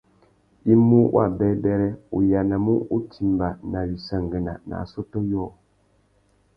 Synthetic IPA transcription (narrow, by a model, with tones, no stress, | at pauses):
i˦mu˦wʔa̰˦˨bɛ˨˦bɛ˦ɾɛ˦u˨ja˨na˨mu˦u˦tʰi˨mba˨na˨wi˨sa˨ŋɡɛ˨na̰˨na̰˨sɔ˦tɔ˦jɔː˦˨